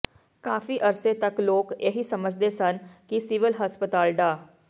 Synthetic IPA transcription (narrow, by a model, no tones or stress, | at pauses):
kaːfiːʔəɾseːt̪əkloːkeːɦiːsəməd͡ʒd̪eːsənkɪsiʋɪlɦəspət̪aːlɖaː